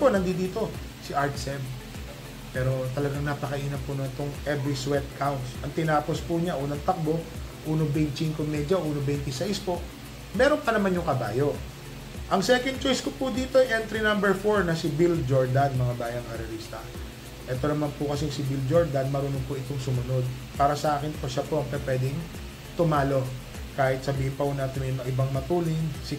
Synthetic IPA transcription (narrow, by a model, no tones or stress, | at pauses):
ponɐnd̪id̪iːt̪o̞ | sɪʔaɹt̪sɛm | pɛːɾo̞t̪ɐlɐɡaŋnɐpɐkɐʔiːnɐpʊnont̪oŋʔɛbɾiswɛt̪̚kʰawnt̪sʔɐŋt̪ɪnaːpo̞spʊɲaʔuːnɐŋt̪ɐk̚bo̞ | ʔuːnobɛnt͡ʃiŋkomɛd̪jɐʔuːnobɛjnt̪ɪsajɪspo̞ʔ | mɛːɾonpɐnɐmanɲjʊŋkɐba̰ːjo̞ | ʔɐŋsɛkɛnd̪̚t͡ʃojskopʊd̪iːt̪o̞ɛjʔɛnt̪ɾinɐmbɛɹfoɹnɐsɪbild͡ʒoɹd̪ɐnmɐŋabaːjɐŋʔɐɾɐɾiːst̪ɐ | ʔɛːt̪o̞nɐmanpʊkɐsisɪbild͡ʒoɹd̪ɐnmɐɾuːnoŋpʊʔɪt̪oŋsʊmʊno̞d̪̚ | paːɾɐsɐʔaːkɪnpoʃɐpoʔɐŋpɛpwɛːd̪ɪŋ | t̪ʊmaːlo̞ | kaːhɪt̪̚sɐbiːhɪnpɐuːnat̪ɪmɪmɐʔɪbaŋmɐt̪uːlɪnsɪ